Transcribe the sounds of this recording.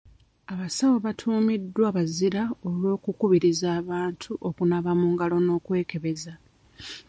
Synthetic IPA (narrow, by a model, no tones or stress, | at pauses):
aβasawoβatʰuːmidːwaβaziɾao̞lwo̞ːkukuβiɾizaːβaːntʰuʔo̞kunaβamuŋɡalo̞no̞ːkwe̞ːke̞βe̞za